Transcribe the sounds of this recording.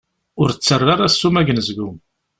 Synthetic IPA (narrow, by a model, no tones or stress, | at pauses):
ʊɾt͡sːərˤːaɾasːumæʝənəzɡʊm